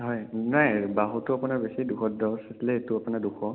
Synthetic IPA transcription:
ɦɔjnajbaɦutʊapunabesiduxʰɔt̚dɔwseslɛetʊapunɛduxʰɔ

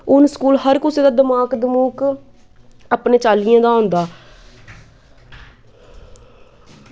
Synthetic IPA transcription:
ʊnskuːlɦəɾkʊseːd̪aːd̪əmaːkd̪əmuːk | aːpneːt͡ʃaːlijãːd̪aːõːnd̪aː

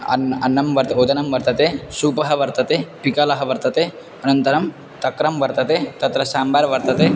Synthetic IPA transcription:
ɐ̰nɐ̰nːɐmʋɐɾt̪od̪ɐnɐmʋɐɾt̪ɐt̪esuːpɐɦɐʋɐɾt̪ɐt̪epikɐlɐɦɐʋɐɾt̪ɐt̪e | ɐnɐnt̪ɐɾɐm | t̪ɐkɾɐmʋɐɾt̪ɐt̪et̪ɐt̪ɾɐsaːmbaːɾʋɐɾt̪ɐt̪e

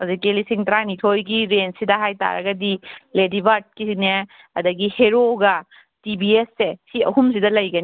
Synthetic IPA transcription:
ɐzikelisiŋtɐɾanitʰojɡiɾensidɐɦajta̰ɾɐ̰ɡɐdiledibaɾt̚kine | ɐdɐɡiheɾoɡɐ | tibiesːesiɐɦums̬idɐlɐjɡɐni

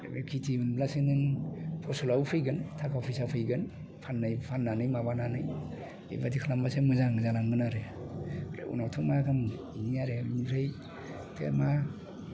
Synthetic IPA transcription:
ɾḛbekʰitʰibɯnblasenɯŋpʰɔsɔlawpʰɯjɡɯntʰakɔpʰisapʰɯjɡɯn | pʰanːɯjpʰanːanɯjmabananɯj | ḭbatikʰalambasemɯzaŋzalaŋɡɯnaɾe | pɾḛṵnawtʰɯk̚makʰam | inijaɾeinipʰɾej | tʰḛma

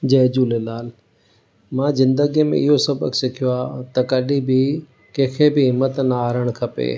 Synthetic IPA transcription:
d͡ʑɐːd͡ʑuːlelaːl | mãːzɪ̃nd̪əɡimḛ̃ɪɦosɐbə̰ksɪkʰijoaːt̪ɐkɐɗĩbɪ | kẽːkʰebɪɦɪmːət̪naːɾəɽ̃kʰɐpḛː

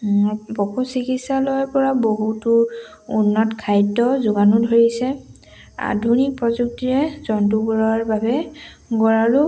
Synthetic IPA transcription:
bɔkusikitsalɔjpɔɹaboɦutʊ | unːɔtkʰajdɔzʊɡanudʱoɹisɛ | a̰dʱunik̚pɹɔzuk̚tiɹɛzɔnt̬uɡɔlaɹbabɛ | ɡɔɹalʊ

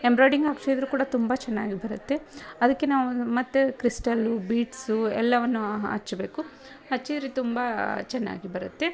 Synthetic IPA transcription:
embɾoːjɖiŋɡaːkʂid̪ɐɾuːkuːɽɐt̪umbɐt͡ʃɛnːaːɡibɐɾut̪ːe̞ɐd̪ɐkːenaːʋumɐt̪ːekɾisʈɐlubiːʈsuɛ̰lːɐʋɐnːuɐ̰t͡ʃːɐbe̞ːku | ɦɐt͡ʃːid̪ɾet̪umbɐt͡ʃɛnːa̰ːɡibɐɾut̪ːe

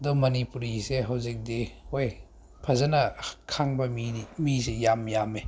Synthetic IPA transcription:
ɐdumɐnipuɾiseɦawzik̚dihoj | pʰɐzɐnɐkʰaŋbɐmiimisejamjame

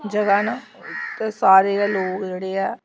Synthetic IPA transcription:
d͡ʒəɡaːnat̪esaːɾeːɛːloːkd͡ʒeːɽeːɛː

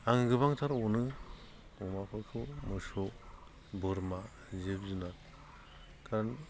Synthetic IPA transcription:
aŋɡɯβaŋt̪ʰaɾɔnɯ | ɔmakʰɔjkʰɯmɯsɔ | bɯɾma | zepzɯnat̚ | kʰaɾn

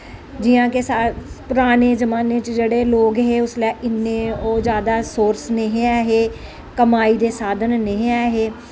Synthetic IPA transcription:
d͡ʒɪjãːkesapʊɾaːneːd͡ʒəmaːneːt͡ʃd͡ʒeːɽeːloːɡɦeːʊslɛːʔɪnːeːoːd͡ʒjaːd̪aːsoːɾsneɦĩɛːɦeː | kəmaːiːd̪eːsaːd̪ənneɦĩɛːɦeː

